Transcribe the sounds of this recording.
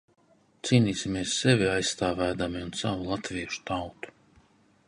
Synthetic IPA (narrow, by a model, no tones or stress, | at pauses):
t̪siːniːsʲimʲiɛsːɛvʲiajsːt̪aːvæːd̪amiunsavulˠat̪vʲiɛʃu̥t̪awt̪u̥